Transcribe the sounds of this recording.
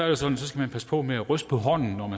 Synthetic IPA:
æɐ̥e̝sɒ̽d̥n̩sɒ̽sɡ̥æmænpʰæspʰɒ̽meæʁœsd̥pʰɒ̽ɦɒ̽n̰n̩nɒmæ

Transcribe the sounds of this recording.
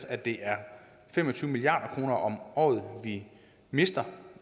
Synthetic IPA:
sæd̥e̝ʔæɐ | femɒ̽t͡sʰyːʊmiliɑ̈ːd̥ɐkʰʁo̝ːnɐʔɒ̽mɒ̰ːð̞̩ˠʋi | me̝sd̥ɐ

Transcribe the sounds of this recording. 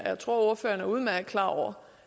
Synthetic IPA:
jäɪt͡sʰʁo̝ɐo̝ɐfø̰ːɐnæuð̞̩ˠmæɐɡ̥̚kʰlɑ̰̈ːɒʊ̰ɐ

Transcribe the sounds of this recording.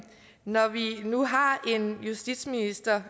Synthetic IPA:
nɒʋinuɦɑ̈e̝njusd̥id̥sminisd̥ɐ

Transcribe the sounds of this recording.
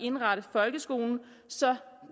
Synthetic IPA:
e̝nʁɑɾ̥əð̩ˠfɒ̽lɡ̥əsɡ̥o̝̰ːln̩ | sɒ̽

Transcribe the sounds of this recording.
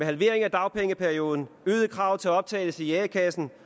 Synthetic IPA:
eɦælʋe̝ɐ̰e̝ŋæd̥ɑ̈ʊpʰeŋəpʰæɐio̝ːð̞ˠn̩yːðˠəkʰʁɑ̈ʊt͡sʰe̝æɒ̽b̥̚t͡sʰɛ̰ːɪləsijɛːkʰæsn̩

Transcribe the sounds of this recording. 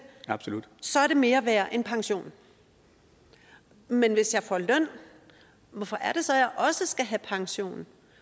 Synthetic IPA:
ɑ̈b̥solud̥sɒ̽æɐɾe̝me̝ːɐʋæːɐʔe̝npʰɑ̈ŋɕo̝̰ːn | menʋe̝sjɑ̈ɪfɒ̰lœn̰ | ʋɒfɒ̽ʔæɐɾ̥e̝sɒ̽jɑ̈ɪʔɒ̽səsɡ̥æɦæpʰɑ̈ŋɕo̝̰ːn

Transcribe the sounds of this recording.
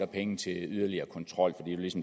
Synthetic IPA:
ɐpʰeŋ̩t͡sʰe̝lyðˠɐliɐːkʰɒ̽nt͡sʰʁɒ̽l̰fɒ̽d̥ḭːd̥ulisɒ̽m

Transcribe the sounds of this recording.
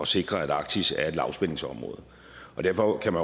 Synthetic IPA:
ɒ̽se̝ɡ̥ʁɐæd̥ɑ̈ɡ̥̚t͡sʰisæɐe̝d̥lɑ̈ʊsb̥ene̝ŋsɒ̽mʁɔ̰̽ːð̞̩ˠ | ʔɒ̽d̥æɐfɒ̽kʰæmæn

